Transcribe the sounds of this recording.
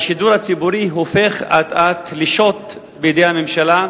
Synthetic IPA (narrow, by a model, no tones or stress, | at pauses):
ʃiduɾat͡sibuɾiɦofeχat̪at̪liʃo̞t | bejedejhamemʃala